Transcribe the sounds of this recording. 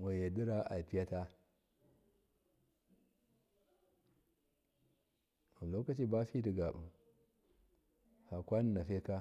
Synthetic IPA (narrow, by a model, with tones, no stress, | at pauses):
wa˨je˨di˦ɾa˦a̰˨pi˦ja˦ta˦ | u˨lo˦ka˦t͡ʃi˦ba˦fi˦di˨ɡa˨b | ha˨kʷa˦n˦na˨fe˦ka˦